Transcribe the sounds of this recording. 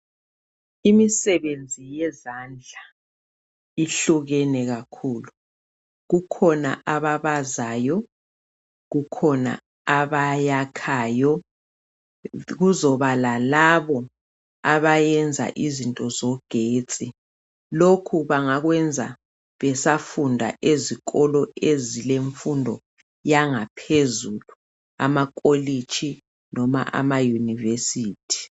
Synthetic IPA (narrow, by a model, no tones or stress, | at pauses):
imisɛβend͡zʱijɛzand͡ɮʱa | iɬuɣɛnɛɣakʰuːlu | ɣukʰɔna̰ʔaβaβazaːjɔ | ɣukʰɔna̰ | aβajakʰajɔ | ɣuzɔβalalaβɔ | aβajɛnd͡zʱa̰ʔizintʼɔzɔɡ̥ʱeːt͡sʼi | lokʰuβaŋaɣwɛnd͡zʱa̰ | βɛsafundʱa̰ʔeziɣʼɔlɔezileɱfundʱɔ | jaŋapʰezulu | a̰makʼolit͡ʃʼʰi | nɔma̰ʔa̰majunivesiːtʰi̥